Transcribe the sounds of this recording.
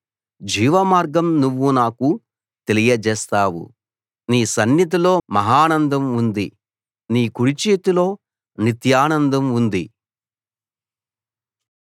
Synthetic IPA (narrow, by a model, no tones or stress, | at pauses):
d͡ʒiːʋɐmaːɾɡɐmnuʋːunaːku | t̪e̞lijɐd͡ʒɛːst̪aːwṵ | niːsɐnjɐt̪̬ilo̞ːmɐɦaːnɐnd̪ɐmund̪i | niːkuɽit͡ʃeːt̪ilo̞ː | nit̪jaːnɐnd̪ɐmund̪i